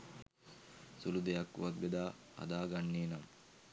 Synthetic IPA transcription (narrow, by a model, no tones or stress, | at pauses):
sulud̪ejɐkːṵʋɐt̪̚bed̪aː | ɐ̰d̪aːɡɐnːiːnɐm